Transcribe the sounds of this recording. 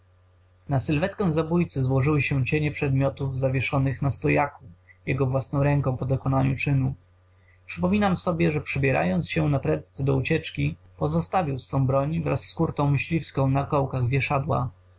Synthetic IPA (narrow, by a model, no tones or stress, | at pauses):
nasɘlvɛt̪kɛ̃w̃zabujt̪sɛzwɔʐɘwɘɕɛt͡ɕeɲɛpʂɛd̪mʲjɔt̪uvzavʲɛʂɔnɘxnast̪ɔjakujɛɡɔvwasnɔ̃w̃ɾɛŋkɔ̃w̃pɔd̪ɔkɔnaɲut͡ʂɘnu | pʂɘpɔmʲinamsɔbʲjɛʐɛpʂɛbʲjɛɾa̰jɔnt̪sɕɛnapɾɛt̪sɛd̪ɔut͡ɕɛt͡ʂkʲi | pɔzɔst̪avʲiwsfɔ̃w̃bɾɔɲvɾa̰sːkuɾt̪ɔ̃w̃mɘɕlʲifskɔ̃w̃nakɔwkaɣvʲjɛʂad̪wa̰